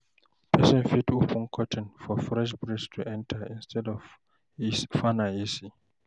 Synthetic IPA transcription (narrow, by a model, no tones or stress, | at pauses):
pʰɛsɔ̃nfitʰupʰũnkʰɔtʰɪ̃nfɔfɹɛʃ̬bɹidstʰuʔɛ̃ntʰaĩnstʰɛdɔv | fanaisi